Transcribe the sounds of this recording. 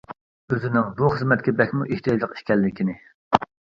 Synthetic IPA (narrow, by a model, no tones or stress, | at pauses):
øzɪnɪŋbuχəzmɛt̪̚kʲɛbɛkʲmuʔeht̪ʰijɑd͡ʒlˠəqi̥ʃkʲɛlːɪkʲinɪ